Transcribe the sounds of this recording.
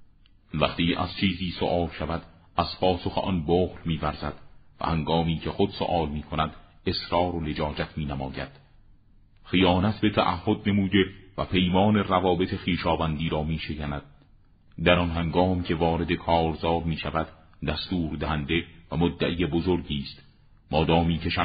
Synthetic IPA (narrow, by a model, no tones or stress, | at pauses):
væχt̪iːʔæ̰z̥t͡ʃʰiːziːso̰ʔɒːlʃævæd̪̥ | æz̥pʰɒːso̞xeʔɒnboːɣlmiːvæɾzæd̪̥væ̰hæŋɡɒːmiːcʰe̞xod̪̥so̰ʔɒːlmiːkʰonæd̪ | e̞sɾɒːɾoled͡ʒɒːd͡ʒæt̪ʰmiːnæmɒ̰ːjæ̰d̪̥ | χijɒːnæt̪ʰbe̞t̪ʰæ̰ʔæhːod̪̚ne̞muːd̪e̞væpʰe̞jmɒːne̞rævɒːbe̞t̪ʰe̞xiːʃɒːvænd̪iːɾɒːmiːʃekænæd̪̥̚ | d̪æɾɒnɦæŋɡɒːmcʲʰe̞vɒːɾe̞d̪e̞kʰɒːɾzɒːɾmiːʃævæd̪̥ | d̪æst̪uːɾd̪æhænd̪e̞væmod̪ːæʔijebozoɾɟiːst̪ | mɒːd̪ɒːmiːcʰe̞ʃæ